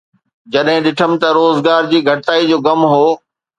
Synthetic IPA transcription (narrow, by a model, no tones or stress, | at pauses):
d͡ʑɐɗɦɪ̃ɗɪʈʰəmɪ̆t̪ɐɾoːzɡaːɾd͡ʑiːɡʱɐʈt̪aːid͡ʑoːɡɐmɦoː